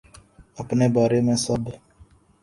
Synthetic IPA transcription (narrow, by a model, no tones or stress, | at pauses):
əpneːbaːɾemẽːsəb